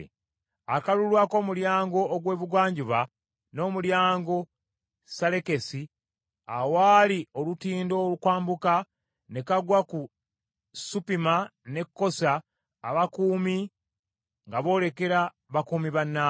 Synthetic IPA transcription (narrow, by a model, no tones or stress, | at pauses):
akalulwaːko̞ːmuljaːŋɡo̞ːɡwe̞ːβuɡwaːɲɟuβa | no̞ːmuljaːŋɡo̞ | sale̞ke̞si | awalio̞lutiːndo̞lukwaːmbuka | ne̞kaɡwaku | supimane̞kːo̞saː | βakuːmi | ŋɡaβo̞ːle̞ke̞ɾa | βakuːmiβanːa